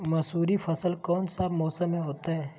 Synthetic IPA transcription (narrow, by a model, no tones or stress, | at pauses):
mɐsuːɾifɐsəlkɔːnsamɔːsəmːẽɦoːt̪aɦɛː